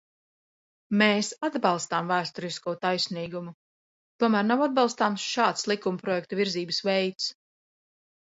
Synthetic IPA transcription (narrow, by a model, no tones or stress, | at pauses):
meːsad̪bɑlˠst̪aːmvæːst̪ɔɾiskuɔt̪ajsniːɡumu | t̪uɔmæːɾnawad̪̚bɑlˠst̪aːmsʃaːt̪slˠikumpɾɔjɛk̚t̪uviɾziːbəsvɛjt̪s